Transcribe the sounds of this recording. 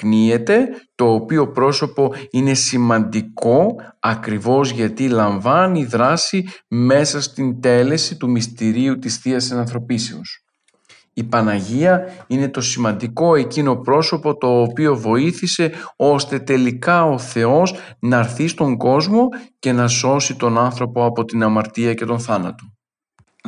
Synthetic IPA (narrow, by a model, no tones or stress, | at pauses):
knie̞t̪e̞t̪o̞ːpio̞pɾo̞so̞po̞ine̞simɐnd̪iko̞ɐkɾivo̞zʝɐt̪ilɐɱvɐniðɾɐsime̞sɐst̪ind̪e̞le̞sit̪umist̪iɾiut̪isθiɐsenɐ̃nθɾo̞piseus | ipɐnɐʝiɐine̞t̪o̞simɐnd̪iko̞e̞cino̞pɾo̞so̞po̞t̪o̞ːpio̞vo̞iθise̞o̞st̪e̞t̪e̞likɐo̞θe̞o̞z | nɐɾθist̪o̞ŋɡo̞zmo̞ce̞nɐso̞sit̪o̞nɐnθɾo̞po̞ɐpo̞t̪inɐmɐɾt̪iɐce̞t̪o̞nθɐnɐt̪o̞